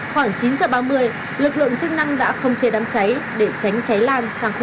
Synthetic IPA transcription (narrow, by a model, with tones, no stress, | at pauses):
xwaː˧˩ŋt͡ɕi˨˦nzəː˧˩ɓaː˧mɨ˧əj | lɨ˨˩k̚lɨ̰˧˨əŋt͡ɕɨ˦˥k̚na˧ŋɗa̰ː˧˥xə˧wŋ͡mt͡ɕe˨˦ɗaː˨˦mt͡ɕa˨˦jɗe˧˩t͡ɕa˨˦jŋ̟t͡ɕa˨˦jlaː˧nsaː˧˩ŋx